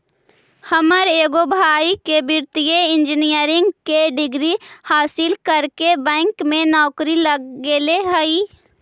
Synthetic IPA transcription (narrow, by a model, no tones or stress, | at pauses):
həməɾeːɡobʱaːikebɪɾt̪ijeɪ̃nd͡ʒɪnijəɾɪ̃ŋɡkeɖɪɡɾihaːsɪlkəɾkebɛ̃ːŋkmẽnɔːkɾiləeːleɦəiː